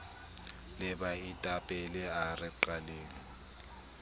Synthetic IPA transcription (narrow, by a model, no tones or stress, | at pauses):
lɪbaitʼapʼɛlɛarɪǃaleːŋ̩